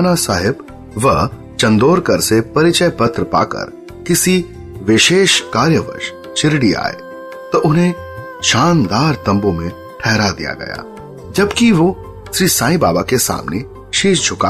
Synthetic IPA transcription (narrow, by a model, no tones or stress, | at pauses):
nasaːɦɪb | ʋɐ | t͡ʃɐ̃nd̪oːɾkɐɾsepɐɾɪt͡ʃəjpɐt̪ɾəpa̰ːkə̰ɾ | kɪsi | ʋɪʃeːʃkaːɾjəʋə̰ɾʃ | t͡ʃɪɾɽia̰ːḛ | t̪ɐʔʊnẽ | ʃaːnd̪aːɾt̪ɐ̃mbõmẽ | ʈʰɛɦɾad̪ḭja̰ɡɐ̰ja̰ | d͡ʒɐbkiʋo | ʃɾiːsãːĩbaːbakesa̰ːmne | ʃiːʃd͡ʒʱʊka